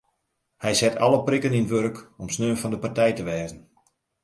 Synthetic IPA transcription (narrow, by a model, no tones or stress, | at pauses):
hɛjsɛtʰɑ̰ləprɪkəninʋørkɔmsnøːnfɑndəpartɛjtəʋɛːzən̩